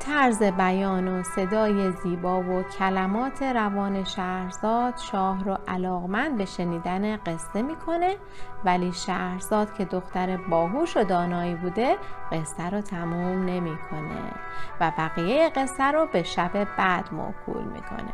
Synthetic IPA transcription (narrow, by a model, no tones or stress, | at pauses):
t̪ʰæɾze̞bæjɒːnose̞d̪ɒːje̞ziːbɒːvocʰælæmɒːt̪ʰe̞ɾævɒːne̞ʃæhɾzɒːd̪̥ʃɒːɦɾoʔælɒːɣmænd̪̚be̞ʃe̞niːd̪æneɢe̞sːe̞miːkʰo̞ne̞ | væliːʃæɾzɒːd̪cʰe̞d̪o̞xt̪æɾebɒːɦuːʃod̪ɒːnɒːiːbuːd̪e̞ɢe̞sːæɾot̪ʰæmuːmne̞miːkʰo̞nḛ | væbæɣiːjejeɣe̞sːæɾobe̞ʃæbe̞b̥æd̪̥mo̰kʰṵːlmḭːkʰo̰nḛ